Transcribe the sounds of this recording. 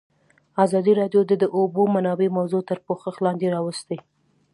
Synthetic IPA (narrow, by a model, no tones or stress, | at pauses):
azɑd̪iɾɑɖjod̪əd̪əʔobomanɑbemawzot̪əɾpoxəxlɑnd̪eɾɑwəst̪əj